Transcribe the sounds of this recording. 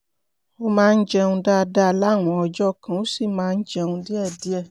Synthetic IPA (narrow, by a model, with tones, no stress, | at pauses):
o˦mãː˦˧n̩˦d͡ʒɛ˧ũ˧da˦˨˧da˦˨la˦˨w̃ɔ̃˨˦ɔ˧d͡ʒɔ˦˨kã˨o˨˦si˦˨mãː˨˦˧n̩˦d͡ʒɛ˧ũ˧di˦ɛ˦˨di˨˦ɛ˦˨